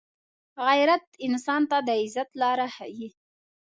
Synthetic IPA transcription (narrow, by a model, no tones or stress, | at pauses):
ɣajɾat̪ɪnsɑnt̪ad̪əɪzat̪lɑɾaha̰ji